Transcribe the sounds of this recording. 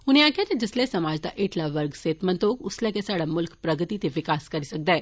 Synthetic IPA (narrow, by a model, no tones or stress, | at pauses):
ʊnjakat̪ed͡ʒeslesɐmad͡ʒd̪aʔeʈlaʋəɾɡseːt̪mə̃nt̪oːkʊslɛkesaɽamʊlkpɾɐɡət̪it̪eʋɪkaːskɐɾisək̚d̪aɛ